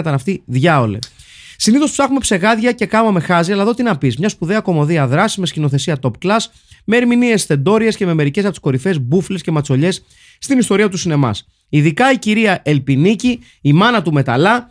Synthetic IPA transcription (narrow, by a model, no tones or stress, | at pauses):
ɐt̪ɐnɐft̪iðʝɐo̞le̞̰siniθo̞spsɐxume̞pse̞ɣɐðʝɐce̞kɐmɐme̞xɐziɐlɐðo̞t̪inɐpizmɲɐspuðe̞ɐko̞mo̞ðiɐðɾɐsizme̞scino̞θe̞siɐt̪o̞pklɐs | me̞ːɾminie̞sθe̞nd̪o̞ɾie̞sce̞meme̞ɾice̞sɐpot̪i̥sko̞ɾife̞zbufle̞sce̞mɐt͡so̞ʎe̞sː | t̪inist̪o̞ɾiɐt̪usine̞mɐ̰s | iðikɐiciɾiɐʔe̞lpiniciː | mɐnɐt̪ume̞t̪ɐ̰lɐ